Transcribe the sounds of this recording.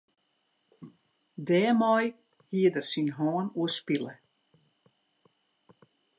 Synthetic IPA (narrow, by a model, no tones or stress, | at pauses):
dɛːmɔj | hiədərsinɦɔːnuəspilə